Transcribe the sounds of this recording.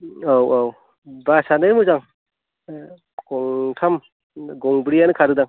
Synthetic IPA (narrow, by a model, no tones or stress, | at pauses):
owaw | basanɯjmuzaŋ | ɡ̥ɔŋtʰam | ɡɔŋbɾijanɯkʰaɾɯdaŋ